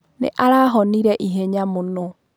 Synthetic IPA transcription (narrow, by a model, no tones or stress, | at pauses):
nḛʔaɾaɦɔniɾɛʔiɦeɲamono